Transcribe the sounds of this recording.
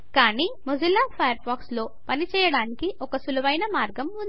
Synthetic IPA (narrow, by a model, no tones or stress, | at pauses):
kaːniːmud͡ʒulːaːpʰɐjɐɾpaːkslo̞ːpɐnit͡ʃɛːjɐɽaːnikiʔɔkɐsulɐʋɐjnɐmaːɾɡɐmund̪